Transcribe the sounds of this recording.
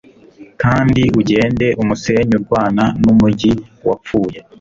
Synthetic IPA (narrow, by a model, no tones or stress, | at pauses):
kaːndiuɟe̞ːnde̞ʔumuse̞ɲuɾɡwaːnanumuɟiwa̰p͡fuːje